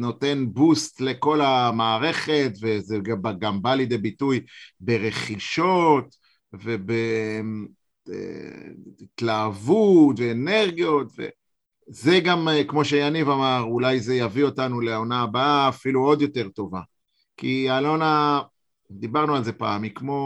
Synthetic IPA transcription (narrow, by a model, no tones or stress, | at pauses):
no̞te̞nbustle̞ko̞lamaːʁe̞χe̞tvezeɡabaɡambalid̪ebitujbe̞ʁe̞χiʃo̞t | ve̞be | ḛ | tlaːvutveːne̞ʁɡijo̞tvḛ | ze̞ɡamkmo̞ʃejanivamaʁulajzejavio̞tanule̞aonaːbaaːfiluo̞d̪jo̞te̞ʁto̞va | kialona | d̪ibaʁnualze̞pa̰ːmikmo̞